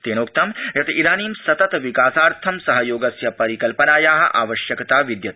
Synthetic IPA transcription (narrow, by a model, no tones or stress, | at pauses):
t̪eːnoːk̚t̪ɐmjɐt̪ʰiɾaːniːmsɐt̪ɐt̪ʋikaːsaːɾt̪ʰɐmsɐɦɐjoːɡɐsjɐpɐɾikɐlpɐnaːjaːɦɐ̆ʔaːʋɐʃjɐkt̪aːʋid̪jɐt̪̚